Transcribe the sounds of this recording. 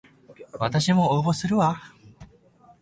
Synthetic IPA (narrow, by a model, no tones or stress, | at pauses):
βat̪aɕimo̞obo̞sɨɾɯ̟βa